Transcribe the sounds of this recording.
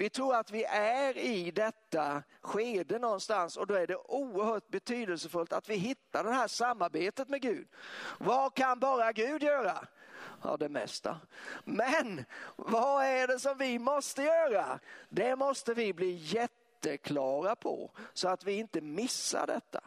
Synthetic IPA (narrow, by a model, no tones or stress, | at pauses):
vɪt̪ʰɾuːɾat̪vɪʔæɾɪd̪ɛt̪ːa | ɧeːd̪ənɔnst̪ansɔd̪ɔæɖɛʔuːəɾhœːʈ̚bɛt̪ʰyːd̪əlsəfɵlt̪at̪vɪɦɪt̪ːaɖɛhæʂamːaɾbeːt̪ət̪mɛɡʉ̟ːd̪vakʰanbɑːɾaɡʉ̟ːd̪jœːɾa | ɑ̰ːd̪ɛmɛ̰st̪a̰mɛnvaæɖɛsɔmvɪmɔst̪əjœːɾad̪ɛmɔst̪əvɪbliːjɛt̪ːəkʰlɑːɾapʰɔ̰sɔat̪vɪɪnt̪əmɪsːa̰ɖɛ̰t̪ːa̰